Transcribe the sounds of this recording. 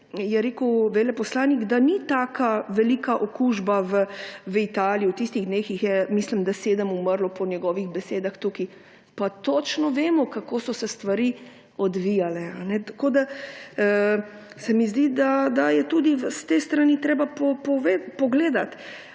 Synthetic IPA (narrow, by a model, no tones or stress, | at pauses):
jɛɾeːkuwʋeːlɛpɔslaːnikd̪anit̪aːkaʋɛlikaʔokuʒbaʋəʋit̪aːlijiuwt̪ist̪iɣd̪neːxixjɛmislimd̪aseːd̪əmuməɾlɔpɔnjɛɡɔːʋiɣbɛseːd̪axt̪uki | pat̪ot͡ʃnɔʋeːmɔkakoːsɔsɛst̪ʋaɾi | ɔd̪ʋijalɛanɛt̪ḁkoːd̪a | sɛmizd̪id̪ad̪ajɛt̪ud̪ist̪est̪ɾanit̪ɾeːbapɔpɔʋepɔɡleːd̪at̪